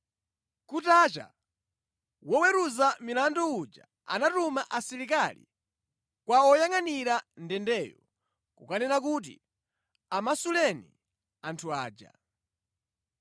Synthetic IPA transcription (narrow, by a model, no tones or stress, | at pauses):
kutat͡ʃa̰ | wɔwɛɾuzamilandɔud͡ʒa̰ | a̰natumaʔasiɾikalḭ | kwaɔjaŋaniɾandɛndɛːjɔ | kṵkanɛnakut̬ḭ | amasulɛnḭ | antʰua̰ːd͡ʒa̰